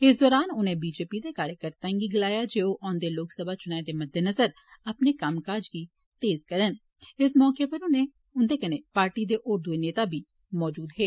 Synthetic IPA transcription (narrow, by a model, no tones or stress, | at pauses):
ɪs̬d̪ɔːɾaːnʊnɦẽbiːd͡ʒeːpid̪ekaːɾjəkəɾt̪aɪ̃ŋɡiɡɪlaːjad͡ʒeːoʔɔ̃ːnd̪eloːksəbʱat͡ʃʊnaːed̪emɐd̪ʱːenɐzəɾ | ɐpnekaːmkaːɾd͡ʒki | t̪eːzkɐɾən | ɪsmɔːkepɐɾʊnɦẽ | ʊnd̪ekɐnepaːɾʈid̪eʔʊɾd̪ueneːt̪abʱi | mɔːd͡ʒuːd̪ɦɛː